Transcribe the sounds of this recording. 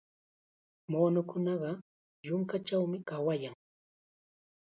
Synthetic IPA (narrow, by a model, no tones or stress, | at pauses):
moːnʊkʊnɑɢɑ | jʊŋkat͡ʃawmɪkawajaŋ